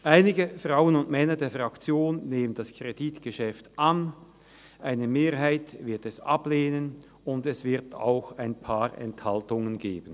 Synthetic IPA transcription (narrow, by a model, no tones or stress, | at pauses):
ʔaɪnɪɡəfʁ̥aʊənʊntmɛnɐdeːɐfʁakt͡sjoːnːeːmənd̥askʁ̥editɡ̥əʃɛftʔan | ʔaɪnəmeːɐɦaɪtvɪɐtɛsa̰pleːnən | ʊndɛsv̥ɪɐta̰ʊxaɪnpʰaːʁɛ̰nthaltʊŋənɡeːbən̩